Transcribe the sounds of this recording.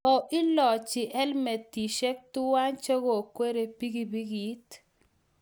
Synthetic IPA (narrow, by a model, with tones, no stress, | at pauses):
ɔ˨ʔɪ˦lɔ˨t͡ʃɪ˨ʔɛ˦lmɛ˨t̪ːi˨ʃɛ˦k̚tʊ˦wa˦nt͡ʃe˦ɣo˨kwe˦ɾe˨pi˦ɡi˦bi˦ɡi˨˦t